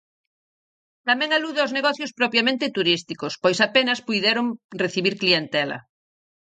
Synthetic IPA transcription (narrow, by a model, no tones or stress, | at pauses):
t̪amɛ̃ŋaluðɪawzneɣɔθjospɾɔpjamẽnt̪et̪uɾist̪ikospojsapenɐspujðɛɾoŋreθiβiɾklient̪ɛlɐ̰